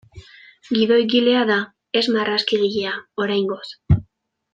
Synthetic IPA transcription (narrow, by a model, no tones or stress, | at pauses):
ɡiðo̞jɣile̞aða | e̞zmaraskiɣiʎeao̞ɾajŋɡo̞s